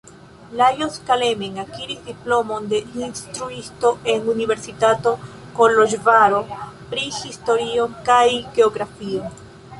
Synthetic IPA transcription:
lajoskalemeŋakiɾisdiplo̞mo̞nde̞inst̪ɾuisto̞ʔe̞nunive̞ɾsitato̞ | koloʒvaɾo̞pɾihisto̞ɾio̞nkajɡ̥e̞oɡɾafion

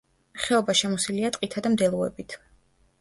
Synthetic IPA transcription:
χɛɔbaʃɛmɔsiliat̪ʼqʼit̪ʰad̪amd̪ɛlˠuɛ̰bit̪ʰ

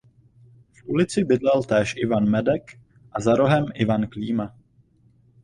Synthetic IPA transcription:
fʔulɪt͡sɪbɪdlɛlt̪ɛːʃʔɪvanmɛdɛk | ʔazaɾo̞ɦɛmʔɪvankliːma

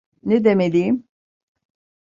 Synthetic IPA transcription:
ned̪emed̪iim

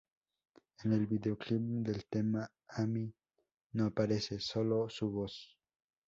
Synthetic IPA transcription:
enelbideoklipd̪elt̪ema | ami | noapaɾesesolosuβos

